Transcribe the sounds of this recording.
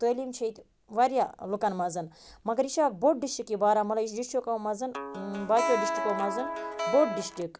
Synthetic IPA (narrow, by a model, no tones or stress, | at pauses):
t̪əːlimt͡ʃʰet̪ʲ | ʋaɾʲjalukɐnmɐzɨnmɐɡɐɾiʃaːk̚boʈ̚ɖiʃʈikːibaːɾamɐlaiʃ̬ɖiʃʈokɐmɐzɨnbaːt͡ʃ̪ʲoːɖisʈikomɐzɨnboʈ̚ɖiʃʈik